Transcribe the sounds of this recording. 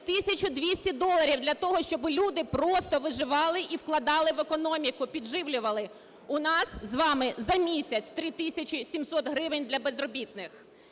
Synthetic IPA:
t̪ɪsʲɐt͡ʃʊd̪ʋʲisʲtʲid̪ɔlˠɐɾʲiwd̪lʲɐt̪ɔɦɔʃt͡ʃɔbɪlʲud̪ɪpɾɔst̪ɔʋɪʒɪʋɑlˠɪʔiwklˠɐd̪ɑlˠɪʋekɔnɔmʲikʊpʲid̪ʒɪʋlʲʊʋɐlˠɪ | ʊnɑszʋɑmɪzɐmʲisʲɐt͡sʲt̪ɾɪt̪ɪsʲɐt͡ʃʲisʲimsɔt̪ɦɾɪʋɪnʲd̪lʲɐbezrɔbʲit̪nɪx

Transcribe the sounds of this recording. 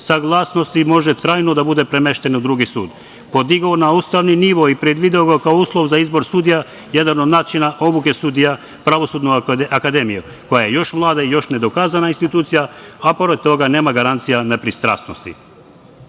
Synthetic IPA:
saɡlˠaːsno̞st̪imo̞ʒet̪ɾaːjnod̪abud̪e̞pɾe̞me̞ʃt̪e̞nud̪ɾuɡisuːd̪ | po̞d̪iɡaonauːst̪aʋniniʋoipɾe̞d̪ʋid̪eoɡakaouːslˠo̞ʋzaizbo̞ɾsuːd̪ija | je̞d̪ano̞d̪naːt͡ʃinaʔo̞buke̞sud̪ija | pɾaʋo̞suːd̪noakad̪e̞miju | ko̞jaje̞jo̞ʃmlˠaːd̪aijo̞ʃne̞d̪okaːzanainst̪it̪uːt̪sijaapo̞ɾed̪̚t̪o̞ɡane̞ːmaɡaɾant̪sijanepɾist̪ɾa̰ːsno̞st̪i

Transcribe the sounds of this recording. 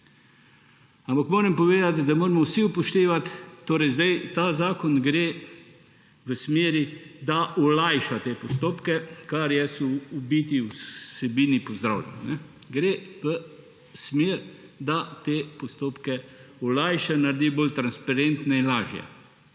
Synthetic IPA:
ampakmoːɾɛmpɔʋeːd̪at̪d̪amoːɾɛmɔwsiupɔʃt̪eːʋat̪ːoːɾɛjzd̪ajt̪azaːkɔnɡɾeː | ʋəsmeːɾid̪aʔɔlajʃat̪eːpɔst̪oːpkɛkaɾjɛsɔːbit̪iwsɛbiːnipɔzd̪ɾa̰wlʲɛ̰nnɛ | ɡɾeːʋə | smeːɾd̪at̪eːpɔst̪oːpkɛɔlajʃɛnaɾd̪iboːlt̪ɾanspaɾent̪nɛinlaːʒjɛ̰

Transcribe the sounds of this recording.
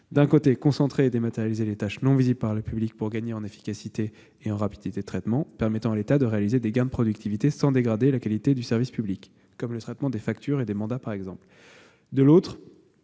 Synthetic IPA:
d̪ɛ̃kot̪ekɔ̃sɑ̃t̪χeːd̪emat̪eʁjalizelet̪aʃnɔ̃viziblpaʁləpyblik̚puʁɡaɲeɑ̃nefi̥kʲasit̪eː | ɑ̃ʁapid̪it̪ed̪ət̪χɛt̪mɑ̃pɛʁmɛt̪ɑ̃alet̪ad̪əʁealized̪eɡãd̪əpχɔd̪yk̚t̪ʰivit̪esɑ̃d̪eɡʁad̪elakalit̪ed̪ysɛʁvispyblikː | ɔmlət̪χɛt̪mɑ̃d̪efak̚t̪ʰyʁed̪emɑ̃d̪apaʁɛɡzɑ̃pl | d̪əlot̪χ

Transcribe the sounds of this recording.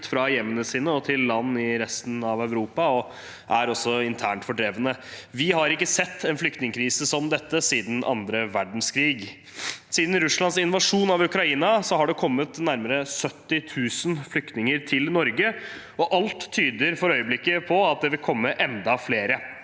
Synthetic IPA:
t̪fɾɑjɛmːənəsiːnəɔt̪ʰɪlːɑnːɪɾɛst̪n̩ɑʋæʉɾuːpɑɔ | ʔæɾɔsːɔɪnt̪ʰæːɳʈfɔɖɾeːʋənəʋɪɦɑɾɪkːəsɛt̪ːɛnflʏkt̪nɪŋkʰɾiːsəsɔmd̪ɛt̪ːəsiːd̪n̩ʔɑ̰nd̪ɾəʋæɖɳ̩skʰɾiːɡ | siːd̪n̩ɾʉslɑnsɪnʋɑʂuːnɑʋʉkɾɑiːnɑsɔɦɑɖɛkʰɔmːət̪næɾməɾəsœt̪ːɪt̪ʰʉːsənflʏkt̪nɪŋəɾt̪ʰɪlnɔɾɡə | ɔʔɑlt̪ʰːyːd̪əɾfɔɾœʏəblɪkːəpʰɔɑt̪̚d̪ɛʋɪlkʰɔmːəʔɛnd̪ɑfleːɾə

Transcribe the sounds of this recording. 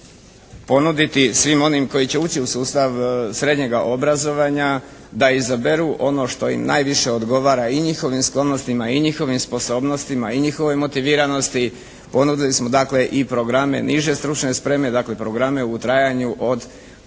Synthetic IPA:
po̞nud̪it̪isʋimo̞nimko̞jit͡ɕe̞uːt͡ɕiusuːst̪aʋsɾe̞d̪ɲe̞ɡaʔo̞bɾazo̞ʋaɲa | d̪aizabe̞ɾuʔo̞no̞ʃt̪o̞jḭmnʔa̰ːjʋiʃe̞o̞d̪ɡo̞ʋaːɾaiɲixo̞ʋimsklˠo̞no̞st̪imaiɲixo̞ʋimspo̞so̞ːbno̞st̪imaiɲixo̞ʋo̞jmo̞t̪iʋiːɾano̞st̪i | po̞nud̪ilismo̞d̪akle̞ʔipɾo̞ɡɾamḛnʔiʒe̞st̪ɾut͡ʃne̞spɾe̞me̞d̪akle̞pɾo̞ɡɾame̞ut̪ɾajaɲuʔo̞d̪

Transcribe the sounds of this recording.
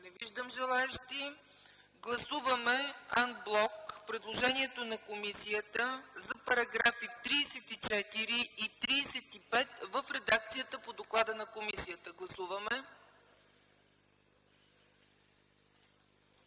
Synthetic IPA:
nɛviʒd̪əmʒɛlˠaɛʃt̪i | ɡlˠɐsuvəmɛanblˠɔkpɾɛd̪lˠoʒɛniɛt̪onɐkomisijət̪əzɐpɐɾɐɡɾafikt̪ɾiːsɛt̪it͡ʃɛt̪iɾiit̪ɾiːsɛt̪ipɛt̪vəfɾɛd̪ak̚t̪sijət̪əpod̪oklˠad̪ənɐkomisijət̪əɡlˠɐsuvəmɛ

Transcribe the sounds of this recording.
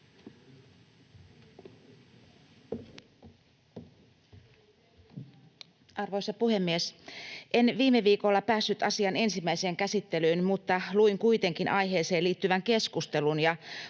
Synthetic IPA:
ɑrʋo̞jsɑpuhe̞mːiesʔe̞nʋiːmeʋiːko̞lːɑpæːsːyt̪ɑsiɑne̞nsimːæijse̞ːŋkæsit̪ːe̞lyːnmut̪ːɑluiŋkuit̪e̞ŋkinʔɑjɦe̞ːse̞ːliːt̪ːyʋæŋke̞skust̪e̞lunjɑ

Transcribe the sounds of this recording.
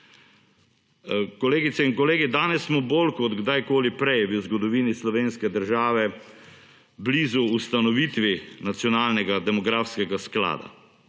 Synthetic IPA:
kɔleːɡit̪sɛinkɔleːɡid̪aːnɛsːmɔbolkɔt̪ɡd̪ajkoːlipɾɛjʋəzɡɔd̪ɔʋiːnislɔʋeːnskɛd̪əɾʒaːʋɛ | bliːzuːst̪anɔʋit̪ʋinat̪sjɔnaːlnɛɡad̪ɛmɔɡɾaːfskɛɡaskla̰ːd̪a̰

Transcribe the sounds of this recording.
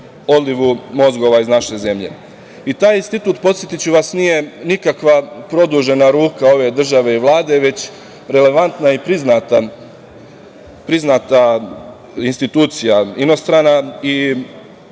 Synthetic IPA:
o̞d̪liʋumo̞zɡo̞ʋaiznaʃe̞ze̞mʎḛ | it̪aːjinst̪it̪uːt̪po̞t̪sjet̪it͡ɕuʋasnije̞nikakʋapɾo̞d̪uʒe̞naɾuːkao̞ʋe̞d̪r̩ʒaʋe̞iʋlˠaːd̪eʋe̞t͡ɕ | ɾe̞le̞ʋant̪naipɾiznat̪a | pɾiznat̪a | inst̪it̪uːt̪sijaino̞st̪ɾaːnai

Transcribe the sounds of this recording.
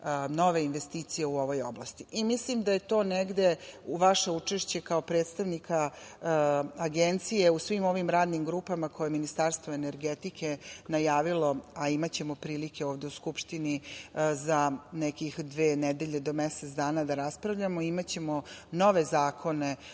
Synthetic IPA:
no̞ʋe̞inʋe̞st̪iːt̪sije̞uo̞ʋo̞joblˠa̰st̪iʔimislimd̪aje̞t̪o̞ːneɡd̪e̞uʋaʃeut͡ʂeʃt͡ɕe̞kao̞pɾe̞ːt̪st̪aʋnikʰa | aɡent̪sije̞usʋimo̞ʋimɾaːd̪nimɡɾupamakʰo̞jeminist̪aɾst̪ʋoeneɾɡet̪ikʰenajaːʋilo̞aimat͡ɕe̞mopɾiːlike̞oːʋd̪e̞uskupʃt̪inizanekixd̪ʋeːnɛd̪e̞ʎe̞d̪o̞meset̪sd̪aːnad̪aɾaspɾaʋʎamoiimat͡ɕe̞mono̞ʋe̞zaːkʰo̞ne̞

